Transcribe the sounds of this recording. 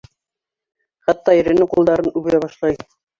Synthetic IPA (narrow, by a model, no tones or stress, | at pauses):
χɑt̪ːɑjɘ̆ɾɘ̆nɘqulˠd̪ɑɾɤnʉβɘ̆jæβɑʃlˠɑj